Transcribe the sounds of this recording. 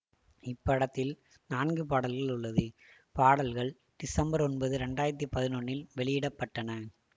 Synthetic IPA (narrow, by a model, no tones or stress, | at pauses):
ɪpːɐɽɐt̪ːɪl | naːnɡɯpaːɽɐlɣɐɭʊɭːɐðɯ | paːɽɐlɣɐɭ | ɖ̪̥ɪsɐmbɐɾɔnbɐðɯɾɛɳɖaːjɐɾɐt̪ːipɐðɪnoɳːɪlʋɛɭɪjɪɽɐpːɐʈːɐnɐ